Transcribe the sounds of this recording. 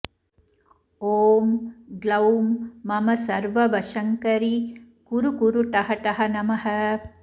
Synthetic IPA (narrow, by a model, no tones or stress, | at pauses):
oːmɡlɐwmːɐmɐsɐɾʋɐʋɐʃɐŋkɐɾi | kuɾukuɾuʈ̪ɐɦɐʈ̪ɐɦɐnɐmɐɦɐ